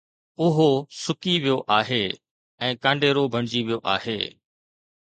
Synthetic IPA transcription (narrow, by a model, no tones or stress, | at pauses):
ʊɦosʊkiʋijoʔaːɦeː | ɛ̃ːkãːɳɖeːɾobʱɐɳ̃ɪd͡ʑiʋijoʔa̰ːɦhḛː